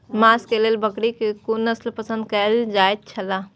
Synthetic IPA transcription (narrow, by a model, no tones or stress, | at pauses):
maskelelbəkɽikekunəslpəsə̃nd̪̚kəld͡ʒaet̪̚t͡ʃʰəla